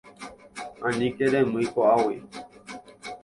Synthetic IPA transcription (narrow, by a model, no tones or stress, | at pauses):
ãnĩkeɾẽmɨjkoawi